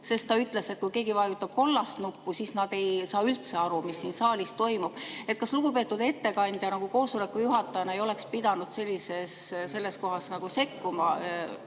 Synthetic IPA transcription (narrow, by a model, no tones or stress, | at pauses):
se̞st̪ːɑyt̪ˑle̞se̞t̪̚kujke̞ːɡivɑjut̪ːˑɑb̥̚ko̞lːɑst̪nupːusiːsnɑd̪̥e̞jsɑːylt̪se̞ɑɾumisːiːnsɑːlʲist̪o̞jmub̥e̞t̪̚ˑkɑsluɡ̥upe̞ːt̪ːˑud̪̥e̞t̪ːe̞kɑnʲd̪̥jɑnɑɡ̥uko̞ːsole̞kːˑujuɦɑt̪ːˑɑjɑnɑejo̞le̞kspid̪̥ɑnud̪̥se̞lʲːise̞sse̞lːe̞sko̞ɦɑsnɑɡ̥use̞kːumɑ